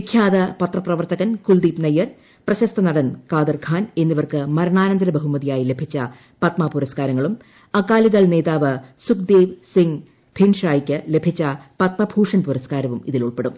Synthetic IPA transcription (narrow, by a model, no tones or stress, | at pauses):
ikʰjaːd̪ɐpɐt̪rɐprɐʋɐrt̪ɐɣɐnkuld̪iːpnɐjːɐr | prɐɕɐst̪ɐnɐɽɐnkaːd̪ɐrɡʰʱaːne̞nːiʋɐrkɨmɐɾɐɳaːnɐnd̪ɐɾɐbɐɦumɐðijaːjile̞bʱit͡ɕːɐ | pɐt̪maːpuɾɐskaːɾɐŋːɐɭum | ɐkːaːliðɐɭne̞ːðaːʋɨsukd̪eːʋsiŋ | d̪̥ʰʱinʂaːjikʲːɨle̞bʱit͡ɕːɐpɐt̪̚mɐbʱuːʂɐnpuɾɐskaːɾɐʋumiðiluɭpe̞ɽum